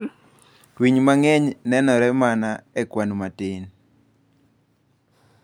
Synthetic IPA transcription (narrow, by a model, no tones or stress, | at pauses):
twiɲmaŋɛɲnɛnɔɾɛmanaɛkwanumatɪn